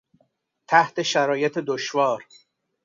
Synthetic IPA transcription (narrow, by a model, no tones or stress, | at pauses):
t̪ʰæht̪e̞ʃæɾɒːjet̪ʰed̪oʃvɒːɾ